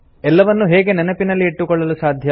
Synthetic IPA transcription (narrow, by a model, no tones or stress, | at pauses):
ɛlːɐʋɐnːuɦeːɡe̞nɛnɐpinɐlːiːʈːukɔɭːɐlusaːd̪ʱjɐ